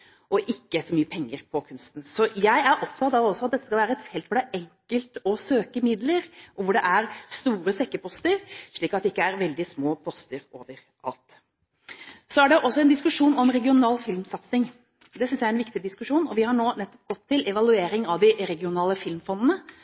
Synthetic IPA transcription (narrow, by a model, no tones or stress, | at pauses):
ɔʔɪkːəsɔmyːəpʰɛŋːəɾpʰɔkʰʉnst̪n̩sɔjæɪæɾʔɔpt̪ʰɑt̪ɑʋɔsːɔɑt̪̚d̪ɛt̪ːə̥skɑlʋæːɾəɛt̪hɛlt̪fɔɖæʔɛŋkəlt̪ɔsøːkəmɪd̪ləɾʔɔʋʊɖɛʔæɾst̪uːɾəsɛkːəpʰɔst̪əɾʂɭiːkɑt̪d̪ɛɪkːəæɾʋɛld̪ɪsmoːpʰɔst̪əɾoːʋəɾ | ʔɑ̰lt̪ | sɔæɖɛʔɔsːɔɛnd̪ɪskʉʂuːnɔmɾɛɡɪʊnɑːlfɪlmsɑt̪sɪŋ | d̪ɛsʏnsjæɪɛnʋɪkt̪ɪd̪ɪskʉʂuːnɔʋɪhɑɳoːnɛt̪ːɔ̥p̚ɡɔt̪ʰːɪlʔɛʋɑlʉeːɾɪŋɑʋd̪ɪɾɛɡɪʊnɑːləfɪlmfɔnd̪ənə